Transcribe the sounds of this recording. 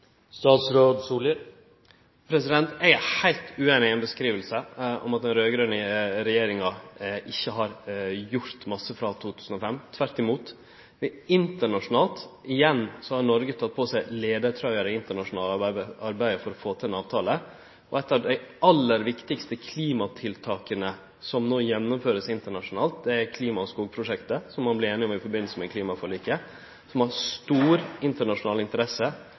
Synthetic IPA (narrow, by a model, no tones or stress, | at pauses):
st̪ɑːt̪sɾoːd̪suːlə | pʰɾɛsɪd̪ɛnt̪æɪhæɪlt̪ʉːeːnɪɛnbəskɾiːʋəlsəɔ̰mɑt̪̚d̪ɛnɾøːɡɾøːnəɾɛjeːɾɪŋɑʔɪçːəɦɑɾjʊɾt̪mɑsːəfɾɑt̪ʰuːt̪ʰʉːsn̩ɔfɛmt̪ʰʋæɾt̪ɪmuːt̪ | ɪɪnt̪əɳɑʂʊnɑːlt̪ɪjɛnːsɔhɑɾɳɔɾɡət̪ʰɑt̪̚ːpʰɔsæɪleːd̪əɾʈ̪ʰɾœʏəɾəɪnt̪əɳɑʂʊnɑːlɑəɑɾbæɪəfɔɾɔfoːt̪ʰɪɛnɑːʋt̪ʰɑːlə | ʔɔɛt̪ːɑːʋd̪æɪɑlːəɾʋɪkt̪ɪkst̪əkʰliːmɑt̪ʰɪlt̪ʰɑːkənə | sɔmnoːjɛnːɔmføːɾəsɪnt̪əɳɑʂʊnɑːlt̪̚d̪ɛæɾkʰliːmɑɔskuːɡ̚pʰɾʊʂɛkt̪əsɔmːɑnblɪɾeːnɪɔmɪfɔɾbɪnlsəmɛkliːmɑfɔɭiːkə | sɔmhɑɾst̪uːɾɪnt̪əɳɑʂʊnɑːlɪnt̪əɾɛsə